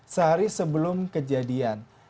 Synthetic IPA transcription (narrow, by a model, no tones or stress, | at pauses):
səɦaɾisəbəlʊmkəd͡ʒadian